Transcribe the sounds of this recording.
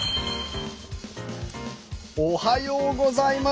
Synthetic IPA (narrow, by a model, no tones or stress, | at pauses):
ohajoːɡozaima